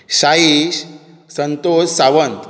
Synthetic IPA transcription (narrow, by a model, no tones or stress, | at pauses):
ɕaiɕ | sənt̪ossaʋənt̪